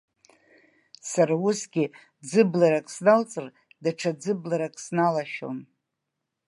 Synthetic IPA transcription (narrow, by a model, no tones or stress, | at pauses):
saɾausɡʲɪ | d͡zɨblaɾakʼsnalt͡sʼɨr | daʈ͡ʂʰad͡zɨblaɾakʼsnalaʃo̰n